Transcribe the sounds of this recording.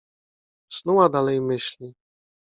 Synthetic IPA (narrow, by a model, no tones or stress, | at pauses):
snuwad̪alɛjmɘɕlʲi